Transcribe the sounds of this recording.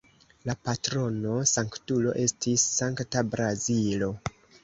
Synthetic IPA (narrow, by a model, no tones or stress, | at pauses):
lapatɾo̞no̞saŋktulo̞̰ʔe̞stʰisːaŋktabɾazilo̞